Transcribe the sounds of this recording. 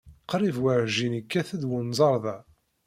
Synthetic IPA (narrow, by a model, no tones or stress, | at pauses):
qɾˤivwaʕʒinikːæθəd̪wʊnzˤɑɾˤðˤæ